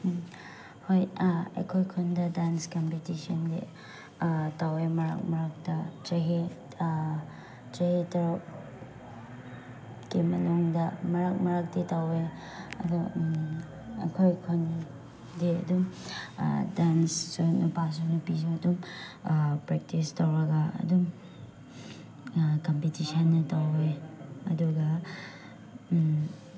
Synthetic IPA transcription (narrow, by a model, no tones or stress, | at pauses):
hojḛkʰojkʰondɐdanskampitisɔndḛ | tawemɐɾa̰k̚mɐɾak̚dɐt͡ʃɐɦe | teɦetɐɾɔp̚ | kimɐnuŋdɐmɐɾak̚mɐɾak̚detawe | ɐ̰du | ɐ̰kʰojkʰon | diɐ̰dum̰ | dansːonɐpas̬uknɐpiziɐtum | pɾek̚tistɐwɾɐɡɐɐ̰dum | kɐmpitisɐnːɐtaweɐ̰duɡɐ